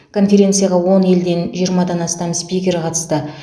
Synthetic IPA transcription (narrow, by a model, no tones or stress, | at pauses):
kʰo̞nfʲe̞ɾʲe̞nt̪sɨjaʁɑwo̞ne̞ld̪e̞nʒijəɾmɑd̪ɑnɑst̪ɑmspʲijkʲe̞ɾqʰɑt̪ə̥st̪ə